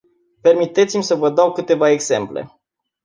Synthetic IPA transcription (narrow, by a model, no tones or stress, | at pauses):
pe̞rmit̪et̪simʲsəvəd̪awkɨt̪e̞vae̞ɡz̥e̞mplḛ